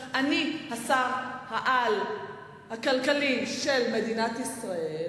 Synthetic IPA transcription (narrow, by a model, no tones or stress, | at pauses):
ʔanihasaʁhaʔal | hakalkaliʃe̞lme̞d̪inatisʁae